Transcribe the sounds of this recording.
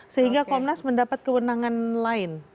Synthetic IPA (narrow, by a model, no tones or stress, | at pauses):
səɦiŋɡakɔmnasməndapat̪̚kəwənaŋanlaɪn